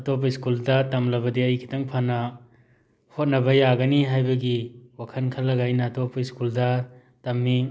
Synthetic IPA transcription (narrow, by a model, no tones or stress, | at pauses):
ɐtop̬ɐiskuldɐtɐmlɐbɐdiɐjkʰi̥tɐŋpʰanɐ | hot̚nɐbɐjaɡɐniɦajbɐɡiwakʰɐnkʰɐlːɐɡajnɐːtopɐiskuldɐ | tɐmni